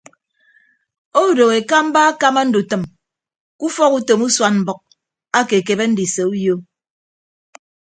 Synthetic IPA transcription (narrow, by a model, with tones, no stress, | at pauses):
o˦˨do˨ɣe˨ka˦m̩˦ba˦a˦ka˦ma˦n̩˦du˨tɨ˨m | ku˦fɔ˦ku˦to˨mu˦swa˦nm̩˨bɔ˨k̚ | a˦ke˨ke˨be˦n̩˦di˨se˨u˦jo˦